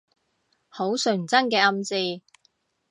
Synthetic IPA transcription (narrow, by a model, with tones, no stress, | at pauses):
ho˨˥wsɵ˨˩ŋt͡sɐ˥ŋkɛː˧ɐ˧mt͡siː˧